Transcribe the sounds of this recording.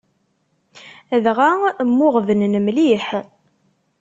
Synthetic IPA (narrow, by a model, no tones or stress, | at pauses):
ðʁamːʊʁvənnəmliħ